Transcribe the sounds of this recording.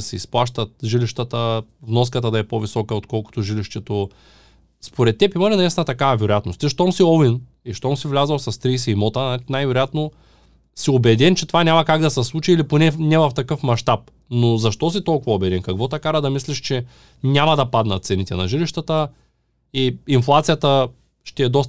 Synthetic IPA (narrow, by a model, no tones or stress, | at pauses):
ɐsɛisplˠaʃt̪ɐt̪̚ʒiliʃt̪ət̪əvnɔskət̪ɐd̪ɐɛpovisɔkəot̪kɔlˠko̥t̪oʒiliʃt̪ɛt̪o | spoɾɛt̪̚ːɛpimɐlinɐɛst̪ɛnət̪ɐkavɐvɛɾojat̪nost̪iʃt̪ɔmsiɔvin | iʃt̪ɔmsivlʲazɐlˠsɐst̪ɾijsɛimɔt̪əanajvɛɾojat̪no | siobɛd̪ɛnt͡ʃɛt̪ovanʲamɐkaɡd̪ɐsɛslˠut͡ʃiːliponɛnɛvɐft̪ɐkɤfmɐʃt̪ap̚ | nozɐʃt̪ɔsit̪ɔlˠkʊvɐobɛd̪ɛnkɐkvɔt̪akaɾəd̪ɐmisliʃt͡ʃɛ | nʲamɐd̪ɐpad̪nɐ̰t̪sɛnit̪ɛnɐ̰ʒiliʃt̪ət̪ə | iinflˠat̪sijət̪ə | ʃt̪ɛːd̪ɔst̪